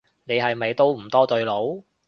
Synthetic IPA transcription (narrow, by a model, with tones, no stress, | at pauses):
ne˨˧jɦɐ˨jme˨˧jt̪o˥wm̩˨˩t̪ɔː˥t̪ɵ˧ɥlo˨˥w